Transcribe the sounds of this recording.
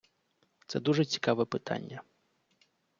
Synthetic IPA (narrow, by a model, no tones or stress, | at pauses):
t̪sɛd̪uʐɐt͡sʲi̥kavɛɛpɨt̪a̰nʲːɐ